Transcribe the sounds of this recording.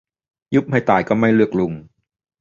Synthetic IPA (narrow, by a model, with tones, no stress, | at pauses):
ju˦˥p̚ha˥˩jt̪aː˨˩jkɔː˥˩ma˥˩jlɯ˥˩ək̚lu˧ŋ